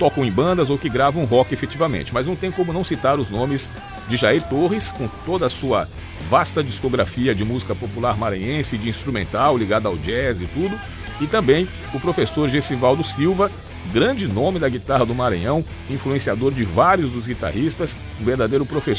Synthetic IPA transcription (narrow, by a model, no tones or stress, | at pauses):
t̪ɔkɐ̃w̃ẽj̃bɐ̃nd̪ɐzowkɪɡɾavɐ̃ũɦɔkɪefet͡ʃivɐmḛ̃nt͡ʃɪmɐznɐ̃w̃t̪ẽj̃kõmʊnɐ̃w̃sit̪aɾʊznõmɪz | d͡ʒɪʒaiɾt̪ohɪskõt̪od̪ɐːsuɐ | vast̪ɐd͡ʒiskoɡɾafiɐd͡ʒɪmuzikɐpopulaɾmaɾɐ̃ɲẽsɪd͡ʒɪĩst̪ɾumẽnt̪awliɡad̪ʊawd͡ʒɛzɪt̪ud̪ʊ | ɪt̪ɐ̃mbẽj̃ | ʊpɾofesoɾʒesivawd̪ʊsiwvɐ | ɡɾɐ̃d͡ʒɪnõmɪd̪ɐɡit̪aɦɐd̪ʊmaɾɐ̰̃ɲɐ̃w̃ | ĩfluẽsiad̪oɾd͡ʒɪvaɾjʊzd̪ʊzɡit̪a̰hist̪ɐs | ũveɾd̪ad̪ejɾʊpɾofe